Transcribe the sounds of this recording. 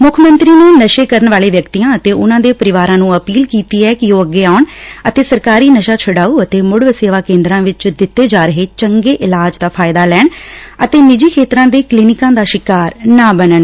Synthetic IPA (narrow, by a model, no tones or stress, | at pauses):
mʊkʰmə̃nt̪ɾiːneːnəʃeːkəɾəɳʋaːleːʋjəkt̪iːãːət̪eːʔʊnãːd̪eːpəɾɪʋaːɾãːnũːəpiːlkiːt̪iːɛːkɪoːəɡːeːaːʊɳət̪eːsəɾkaːɾiːnəʃaːt͡ʃʰəɽaːuːət̪eːmʊɽʋseːʋaːkẽːnd̪ɾãːʋɪt͡ʃd̪ɪt̪ːeːd͡ʒaːɾəɦeːt͡ʃəŋɡeːʔɪlaːd͡ʒd̪aːpʰaːɪd̪aːlɛːɳət̪eːnɪd͡ʒiːkʰeːt̪ɾãːd̪eːkliːnɪkãːd̪aːʃɪkaːɾnaːbənəɳ